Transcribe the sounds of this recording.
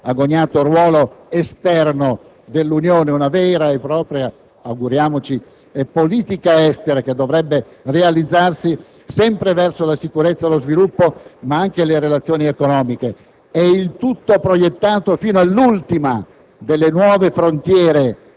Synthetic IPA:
aɡːoɲːaːt̪orwɔːloest̪ɛrno | d̪elːunjoːneunavɛːɾaepːɾɔːpɾja | aɡuɾjaːmot͡ʃi | ɛpːoliːt̪ikaɛst̪eɾak̟ed̪ːovɾɛbːe | realid̪zːarsi | sɛmpɾevɛrsolasikuɾet̪sːaelozvilupːomaaŋk̟eleɾelat̪sːjoːniekonɔːmike | ɛilt̪ut̪ːopɾojet̪ːaːt̪ofiːnoalːult̪ima | d̪elːenwɔːvefɾont̪jɛːɾe

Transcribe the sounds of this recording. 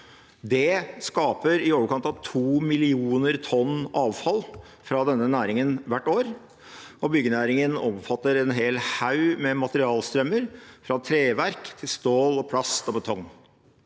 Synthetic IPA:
d̪ɛskɑːpəɾɪoːʋəɾkɑnt̪ɑʋt̪ʰuːmɪlɪuːnəɾt̪ʰɔnːɑːʋfɑl | fɾɑd̪ɛnːənæːɾɪŋənʋæʈːoːɾ | ɔbʏɡːənæːɾɪŋənɔmfɑt̪ːəɾɛnɦeːlhaʉmɛmɑt̪əɾɪɑːlst̪ɾœməɾfɾɑt̪ʰɾeːʋæɾkt̪ʰɪlst̪oːlɔpʰlɑst̪ɔbət̪ʰɔŋː

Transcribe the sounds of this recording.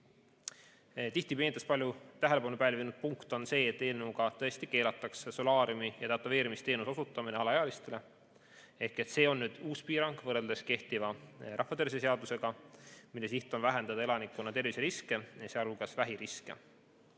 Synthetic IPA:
t̪iht̪ipeːnit̪ːˑɑspɑlʲjut̪æɦele̞pɑnupæːlʲvinud̪̥̚puŋkt̪o̞nse̞ːet̪ːˑe̞ːlneuɡ̥ɑt̪ɤ̞est̪ike̞ːlɑt̪ːˑɑksso̞lɑːɾjumijɑt̪ɑt̪ːˑɑve̞ːɾimist̪eːnuso̞sut̪ːˑɑmineɑlɑeɑlist̪e̞le̞ | e̞hke̞t̪se̞ːo̞nːyːd̪̥uːspiːɾɑŋɡ̥vɤreld̪e̞ske̞ht̪ivɑrɑhvɑt̪ervises̬eɑd̪̥use̞ɡ̥ɑmilːe̞s̬iht̪ːˑo̞nvæɦe̞nd̪̥ɑd̪ɑe̞lɑnikːˑunːɑt̪e̞rviseɾiske̞jɑseɑluɡɑsvæɦiɾiskḛ

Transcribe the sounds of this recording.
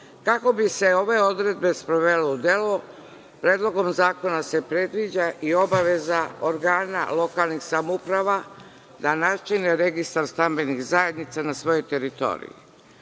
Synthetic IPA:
kako̞biseo̞ʋe̞o̞d̪ɾe̞d̪be̞spɾoʋe̞leud̪elo | pɾeːd̪lo̞ɡo̞mzaːko̞nase̞pɾed̪ʋid͡ʑaʔio̞baʋe̞zaoɾɡaːna̰lo̞kalnixsamupɾaʋa | d̪anat͡ʃineɾe̞ɡist̪aɾst̪ambe̞nixzaje̞d̪nit̪sanasʋo̞jo̞jt̪e̞ɾit̪o̞̰ɾḭjḭ

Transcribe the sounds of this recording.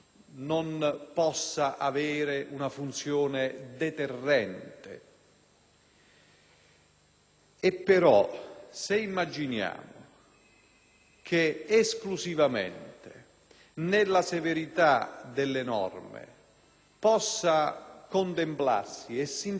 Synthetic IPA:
nonpɔsːaʔaveːɾɪʔunafunt̪sjoːned̪ɛt̪erːɛnt̪ḛ | epːeɾɔ̰seimːad͡ʒinja̰ːmʊ | kʰeesklusivamḛnt̪e | nelːaseveɾit̪ad̪elːenɔ̰rmḛ | pɔsːakont̪empla̰rsiɛsːin

